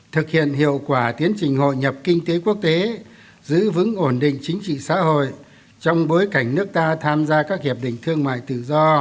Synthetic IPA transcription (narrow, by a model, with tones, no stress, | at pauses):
t̪ʰɨ˨˩k̚hḭ˧˨ənhḭ˧˨əwkwaː˧˩t̪i˨˦ənt͡ɕï˨˩ŋ̟ho̰˧˨jɲə˨˩p̚kï˧ŋ̟t̪e˨˦ku˦˥ək̚t̪e˨˦ | zɨ̰˧˥vɨ̰˧˥ŋʔo˧˩nɗḭ̈˧˨ŋ̟t͡ɕï˨˦ŋ̟t͡ɕḭ˧˨sa̰ː˧˥ho̰˧˨j | t͡ɕɔ˧wŋ͡mɓo˨˦jka˧˩jŋ̟nɨ˦˥ək̚t̪aː˧t̪ʰaː˧mzaː˧kaː˦˥k̚hi˨˩p̚ɗḭ̈˧˨ŋ̟t̪ʰɨ˧əŋma̰ː˧˨jt̪ɨ̰˧˩zɔ˧